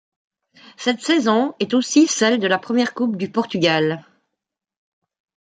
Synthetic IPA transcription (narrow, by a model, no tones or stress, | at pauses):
sɛt̪sɛzɔ̃ɛt̪osisɛld̪əlapχəmjɛʁkup̚d̪ypɔʁt̪yɡʲal